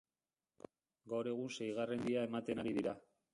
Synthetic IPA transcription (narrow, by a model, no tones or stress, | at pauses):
ɡawɾe̞ɣ̞unse̞jɣ̞arend̪iaemat̪e̞naɾiðiɾa